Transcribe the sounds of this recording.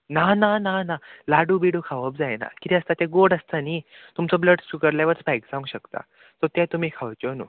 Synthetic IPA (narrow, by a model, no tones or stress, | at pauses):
nanananalaɽubiɽukʰaʋəp̚d͡zajna̰kit̪ĩəst̪at̪ɛ̃ɡoɽəst̪aniːt̪umt͡sɔbləɖsukəɾlaʋət͡sbajkd͡zaʋũŋɡɕəkt̪a̰ | t̪ɔt̪ɛ̃t̪um̤iːkʰaʋt͡ɕɔnṵː